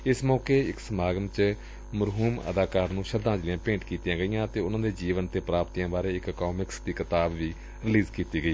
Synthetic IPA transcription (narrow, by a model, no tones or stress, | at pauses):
ɪsmɔːkeːɪksəmaːɡəmt͡ʃ | məɾɦuːmə̰d̪aːkaːɾnũːʃəd̪ãːd͡ʒlɪjãːpẽːɳʈkiːt̪ːjãːɡəijãːt̪eːʊnãːd̪eːd͡ʒiːʋənt̪eːpɾaːpt̪iːãːbaːɾeːɪkkɔːmɪksd̪iːkɪt̪aːbʋiː | ɾɪliːzkiːt̪iːɡəiː